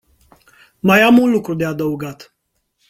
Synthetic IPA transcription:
majamunlukɾud̪e̞ad̪əuɡat̪

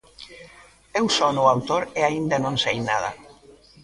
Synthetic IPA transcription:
ewsɔnʊawt̪oɾeaind̪anõŋsejnað̞a̰

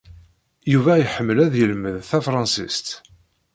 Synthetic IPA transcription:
juvæjħəmːəlæðjəlməðθæfɾˤɑnsḭst̪

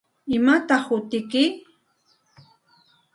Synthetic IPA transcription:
ɪmat̪ɑχʊt̪ɪkɪ

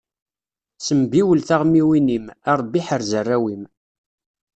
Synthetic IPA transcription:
səmbiwəlθaʁmiwinimæɾˤbiħəɾzərːæwim

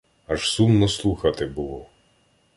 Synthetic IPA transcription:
ɐʒsumnɔslˠuxɐt̪ɪbʊlˠɔ

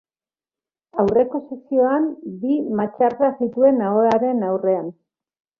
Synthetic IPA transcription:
awre̞ko̞sesio̞ambimat͡ʃaɾkasit̪ue̞naoaɾe̞nawre̞an

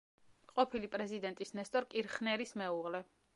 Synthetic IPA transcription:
qʼɔpʰilipʼɾɛzid̪ɛnt̪ʼisnɛst̪ʼɔɾkʼiɾχnɛɾismɛuʁlɛ

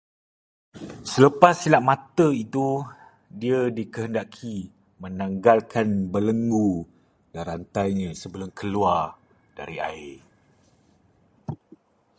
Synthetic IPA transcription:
sələpasːilaʔmãt̪əit̪u | diədikəɦəndakʰi | mə̃nãŋɡalkʰanbələŋɡu | daɾant̪ajɲə̃səbəlʊmkʰəluar | d̥a̰ɾia̰ɪ

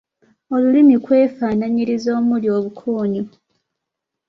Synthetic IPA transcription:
o̞lulimikwe̞ːfaːnaɲiɾizo̞ːmuljo̞ːβukʰoːɲu

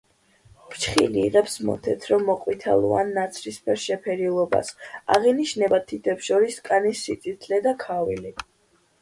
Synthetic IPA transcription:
t͡ʃʰχḭliːʁɛpsmɔ̰t̪ʰɛt̪ʰɾɔmːɔqʼwit̪ʰa̰lˠṵa̰nːat̪sʰlispʰɛɾʃɛpʰɛɾilˠɔba̰sa̰ʁiniʃnɛbat̪ʰit̪ʰɛpsʃɔɾiskʼanisːit̪ʼit̪ʰlɛd̪akʰavili

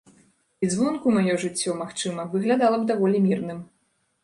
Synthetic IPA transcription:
izvɔnkumajɔʐɨt͡sʲːɔmaxt͡ʂɨmɐvɨɣlʲad̪alˠɐbd̪avɔlʲimʲirnɨm

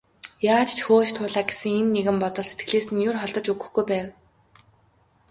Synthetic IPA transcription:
jaːt͡ɕt͡ɕʰxoːt͡ɕt̪ʰʊːɮaːɡesɘ̆ŋenːeɣɘ̆mpɔt̪ɞ̆ɮset̪̚ɡɘ̆ɮeːsɘ̆njʊrχɔɮt̪ɞ̆t͡ɕuɡɵ̆xɡujpæːw

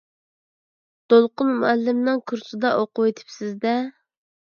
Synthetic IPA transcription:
d̪̥olˠqʊnmuɛlːɪmnɨŋkʰuɾsɨd̪ɑʔoqʊwet̪ʰɪ̥psɪzd̪ɛ

